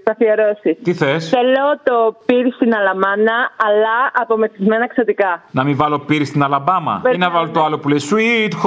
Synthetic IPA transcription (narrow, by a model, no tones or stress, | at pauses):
sɐθiɐɾosist̪iθesθelot̪opiɾist̪inɐlɐmɐnɐɐlɐɐpo̞meθizme̞nɐksɐt̪ikɐnɐmivɐlo̞piɾist̪inɐlɐbɐmɐ̰inɐvɐlot̪oɐlopulesuit̪x